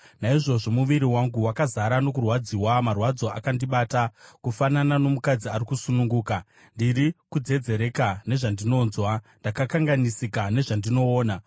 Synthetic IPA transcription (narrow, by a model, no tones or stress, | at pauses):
naiʐo̞ʐo̞muʋiɾiwaŋɡuwakazaɾano̞kurwad͡ziwamarwad͡zo̞a̰kandiɓaːtakufananano̞mukad͡ziaɾikusunuŋɡuːka | ndiɾikud͡ze̞d͡ze̞ɾe̞kane̞ʐandino̞ːnzwandakakaŋɡanisikane̞ʐandino̞ːna